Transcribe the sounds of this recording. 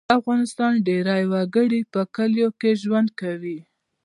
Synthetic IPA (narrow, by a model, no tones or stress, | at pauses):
afɣɑnɪst̪ɑnɖeɾɑjwaɡəɽipəkəljokeʒwand̪̚kawi